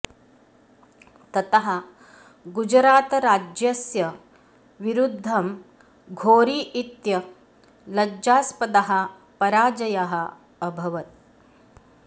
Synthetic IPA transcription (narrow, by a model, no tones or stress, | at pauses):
t̪ɐt̪ɐɦɐ | ɡud͡ʒɾaːt̪ɾaːd͡ʒjɐsjɐ | ʋiɾud̪ʱːɐm | ɡʱoːɾiːʔit̪jɐ | lɐd͡ʒaːspɐd̪aɦɐ̆ | pɐɾaːd͡ʒɐjaɦɐ̆ː | bʱɐʋɐt̪̚